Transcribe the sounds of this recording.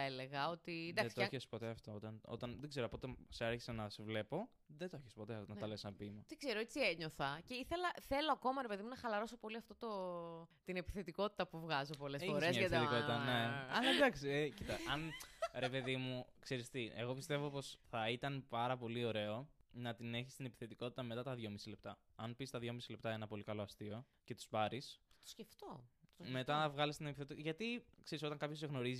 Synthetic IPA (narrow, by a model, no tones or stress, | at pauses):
ɐele̞ɣɐo̞t̪ind̪ɐesit̪oeçesi̥po̞t̪e̞ɐft̪o̞ot̪ɐno̰t̪ɐnðeɡze̞ɾoɐpo̞t̪eseaɾçi̥senɐsevle̞po̞ | ðet̪oeçespo̞t̪eɐft̪onɐt̪ɐlesɐbimɐt̪iɡ̥zeɾoet͡sieɲo̞θɐce̞iθe̞lɐθe̞lo̞ɐko̞mɐɾepe̞ðimunɐxɐlɐɾo̞so̞po̞liɐft̪ot̪ot̪inepi̥θe̞t̪iko̞t̪i̥t̪ɐpuvɣɐzo̞po̞lesfoɾesmɐɐet̪ikotit̪ɐneɐlɐd̪ɐksiecit̪ɐɐnɾe̞pe̞ðimukseɾist̪ie̞ɣo̞pist̪e̞vo̞po̞sθɐit̪ɐnpɐɾɐpo̞lio̞ɾe̞o̞nɐt̪ine̞çi̥st̪inepi̥θe̞t̪iko̞t̪i̥t̪ɐme̞t̪ɐt̪ɐðʝo̞misile̞p̚t̪ɐ | ɐnpist̪ɐðʝo̞misile̞pt̪ɐenɐpo̞likɐlo̞ɐst̪io̞ | ce̞t̪u̥spɐɾisθɐt̪o̥sceft̪ome̞t̪ɐɐvɣɐlist̪ine̞piθe̞t̪iʝɐt̪ikseɾiso̞t̪ɐŋkɐpços̬eɣno̞ɾizi